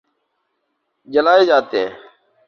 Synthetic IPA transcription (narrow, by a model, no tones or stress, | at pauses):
d͡ʒəlaːeːd͡ʒaːt̪ḛ̃ː